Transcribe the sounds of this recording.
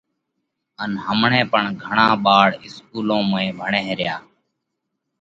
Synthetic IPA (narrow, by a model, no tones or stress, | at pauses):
ənɦəmɳẽːpəɳɡʱəɳãːɓaːɽɪskuːlõːmẽːbʱəɳẽːɾɪjaː